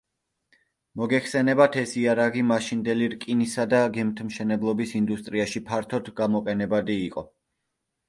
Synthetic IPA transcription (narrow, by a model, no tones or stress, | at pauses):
mɔɡɛχsɛnɛbat̪ʰɛsiaɾaʁimaʃind̪ɛliɾkʼinisad̪aɡɛmt̪ʰmʃɛnɛblˠɔbisind̪ust̪ʼɾiaʃipʰaɾt̪ʰɔd̪ɡamɔqʼɛnɛbad̪iːqʼɔ